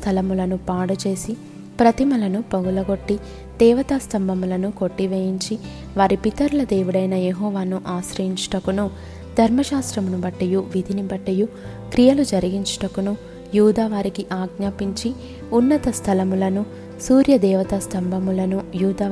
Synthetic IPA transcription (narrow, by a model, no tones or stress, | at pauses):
t̪ʰɐlɐmulɐnupaːɽɐt͡ʃe̞ːsi | pɾɐt̪imɐlɐnupɐɡulɐɡo̞ʈːi | d̪̥ɛːʋɐt̪ast̪ɐmbʱɐmulɐnuko̞ʈːiʋeːjiɲt͡ʃi | ʋaːɾipit̪ɐɾulɐd̪eːʋuɽɐjnɐjeɦɔːʋaːnuʔaːʃɾɐjiɲt͡ʃʈɐkunu | d̪ʱɐɾmɐʃaːst̪ɾɐmunubɐʈːɐjuʋid̪ʱinibɐʈːɐju | kɾijɐlud͡ʒɐɾiɡiɲt͡ʃu̥ʈɐkunu | juːd̪aːʋaːɾikiʔaːɡnaːpiɲt͡ʃi | unːɐt̪ɐst̪ʰɐlɐmulɐnu | suːɾjɐd̪ɛːʋɐt̪ɐst̪ɐmbʱɐmulɐnujuːd̪aː